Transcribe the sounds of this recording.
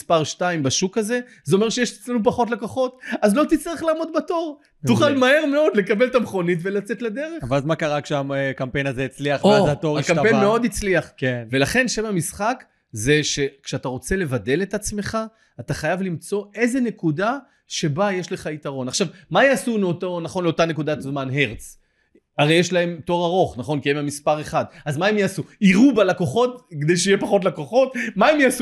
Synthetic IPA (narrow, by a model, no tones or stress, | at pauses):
ispaʁʃtaimbaʃukaze̞ | zeome̞ʁʃejeʃet͡slenup̬aχo̞t̬lakoχo̞t̪azlo̞t̪it͡st̪aʁiχlaːmo̞d̪̚bato̞ʁ | t̪uχalmahe̞ʁme̞o̞d̪le̞kabe̞lt̪amχo̞nit̬ve̞lat͡se̞t̪lad̪e̞ʁe̞χvazmakaʁakʃeamkampejnazeit͡sliaχvoazatoʁakampemeo̞d̪it͡sliaχkenve̞laχe̞nʃevamisχak | ze̞ʃe̞kʃeat̪aʁo̞t͡se̞le̞vade̞le̞t̪at͡sme̞χa | ataχajavlimt͡so̞e̞zene̞kuda | ʃe̞bajeʃle̞χait̪aʁo̞naχʃavmajaːsuleoto̞naχo̞nleo̞tane̞kud̪at̪zmanɦe̞ʁt͡s | aʁe̞jeʃlae̞mto̞ʁaʁo̞χnaχo̞nkiemamispaʁeχad̪azmaemjaːsuiʁubalako̞χo̞tked̪ejʃeijepaχo̞t̬lakoχo̞tmaemjasu